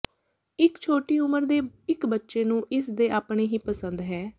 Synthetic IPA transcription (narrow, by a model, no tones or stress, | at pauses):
ɪkt͡ʃʰoːʈiːʊməɾd̪eːɪkbətːʃeːnũːʔɪsd̪eːʔaːpɳeːɦĩːpəsənd̪ɦɛː